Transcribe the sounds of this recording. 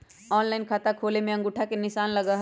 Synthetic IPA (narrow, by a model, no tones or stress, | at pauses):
ɔːnlaːɪnkʰaːt̪akʰoːlemẽɐ̃ŋɡʊʈʰakenɪʃaːnlɐɡaɦ